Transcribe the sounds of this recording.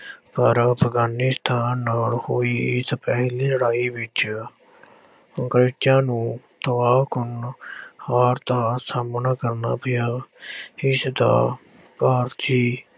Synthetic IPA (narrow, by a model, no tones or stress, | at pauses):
pəɾəpʰɡaːnɪst̪ʰaːnːaːlhoːiːɪspɛːɦliːləɽaːiːʋɪt͡ʃ | əŋkɾeːʈjãːnũːt̪əʋaːkʊnhaːɾt̪aːsaːmnaːkəɾna̰ːpɪjaː | ɪsd̪a̰ː | paːɾt̪ʰiː